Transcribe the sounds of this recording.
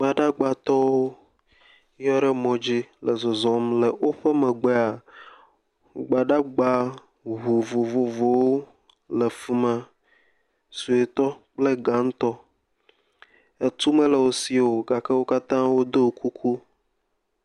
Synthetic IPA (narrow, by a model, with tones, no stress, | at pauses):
ɡ͡ba˨ɖa˦ɡ͡ba˨t̪ɔ˦wo˦ | jɔ˦ɖɛ˦mɔ̃˨d͡ʑi˦lɛ˨zɔ˨zɔ̃˨mlɛ˨wo˦ɸɛ˦mɛ̃˨ɡ͡bɛ˦a˨ | ɡ͡ba˨ɖa˦ɡ͡ba˦ | ɦu˨vo˨vo˨vo˨wo˦ | lɛ˨fu˨mə̃˨ | su˨e˨t̪ɔ˦k͡ple˦ɡã˨ŋ˦t̪ɔ˦ | e˨t̪u˦mɛ̃˦lə˨wo˦si˦˨o˨ɡa˨ke˦wo˦ka˦t̪ã˦wo˦d̪o˦o˨kʰu˦kʰu˦